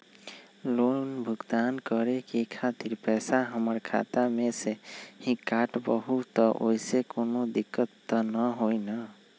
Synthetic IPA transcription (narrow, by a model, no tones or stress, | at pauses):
lonbʱʊɡt̪ankəɾekikʰat̪iɾpɛsaɦəməɾkʰa̰t̪amẽsehĩkːaʈbəɦut̪ːɔʔo̰isekonod̪ikːət̪ːənəɦojna